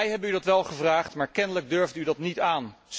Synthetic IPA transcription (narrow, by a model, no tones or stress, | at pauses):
jɦɛbənydɑtʋɛlˠχəvraːχtmaːɹkɛnələɡ̚døɹvtydɑtnitaːns